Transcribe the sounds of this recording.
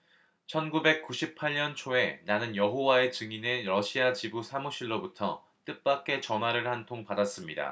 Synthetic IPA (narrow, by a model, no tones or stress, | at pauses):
t͡ɕʰʌnɡube̞k̚k͈uɕʰipʰaʎɲʌnt͡ɕʰoe̞nanɯnjʌɦowae̞t͡ɕɯŋine̞ɾʌɕʰiat͡ɕibusʰamuɕʰiɭːobutʰʌ | t͈ɯp͈ak͈̚e̞t͡ɕʌnɦwaɾɯɭhantʰoŋpadas͈ɯmɲida̰